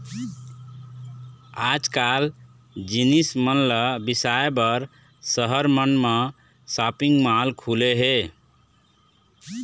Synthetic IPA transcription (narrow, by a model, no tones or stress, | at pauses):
ad͡ʒkal | d͡ʒinismənləbisaebəɾ | səɦəɾmənme | sapiŋɡmalkʰuleɦe